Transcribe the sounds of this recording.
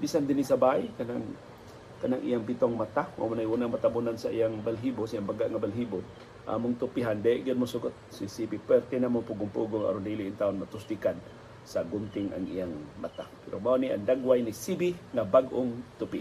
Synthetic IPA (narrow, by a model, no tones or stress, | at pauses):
bisand̪ɪnisabaɪkanaŋ | kanaŋʔḭjaŋpit̪oŋmat̪ama̰mʊnajhunaŋmat̪abunansaʔijaŋbalɦibosijaŋbaɡaʔŋabalɦibʊn | ʔa̰mʊŋt̪ʊpɪɦand̪ajɪʔɡɪd̪̚mʊsʊɡʊt̪̚sisibipwɛrt̪ɛnamʊŋpuɡʊŋpuɡoŋa̰ɾʊnd̪iliʔint̪aːonmat̪ʊst̪ikad̪̚ | saɡʊmt̪ɪŋa̰ŋʔḭjaŋma̰t̪apɛɾomaoniʔa̰ŋd̪aɡwajnisibɪŋabaɡʔoŋt̪ʊpi